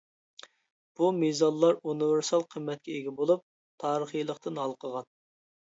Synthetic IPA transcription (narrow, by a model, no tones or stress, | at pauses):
b̥umizɑnlˠːɑɾunɨvɪɾsɑlˠqʰəmːɛt̪̚kʲɛeɡʲɛbolˠup̚ | t̪ʰɑːɾəχijlˠəqt̪ɨnɑlˠqʰəʁɑn